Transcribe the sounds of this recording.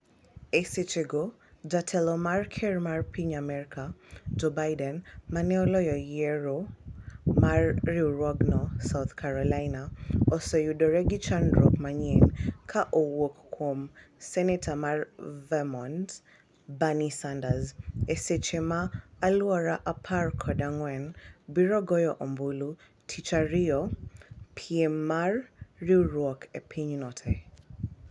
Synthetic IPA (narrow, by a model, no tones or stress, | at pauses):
ɛset͡ʃɛɡɔ | d͡ʒatʰɛlɔmaɹkʰɛɹmaɹpiɲamɛɹikʰad͡ʒɔbajdɛnmanɛɔlɔjɔjɛɹɔ | maɹːiɹɔɡnɔsawθkʰaɹɔlajnaɔsɔjudɔɹɛɡit͡ʃandɹɔkmaɲɛnkʰaʔowɔkkʰɔm | sɛnɛtʰamaɹvɛmɔ̃nt | banisandazɛsɛt͡ʃɛmaːluɔɾaʔapʰaɹkʰɔdaŋwɛnbiɹɔɡɔjɔʔɔmbulu | tʰit͡ʃaɹiɔ | pʰiɛmːaɹːiuɹɔkʰɛpʰiɲunɔtʰɛ